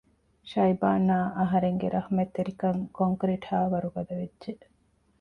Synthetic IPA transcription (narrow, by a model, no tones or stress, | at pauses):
ʃɐjbaːnːaːʔɐɦɐɾeŋɡeɾʔɐhmet̪ːeɾikɐŋkoŋkɾiʈhaːʋɐɾuɡɐd̪ɐʋedːʒe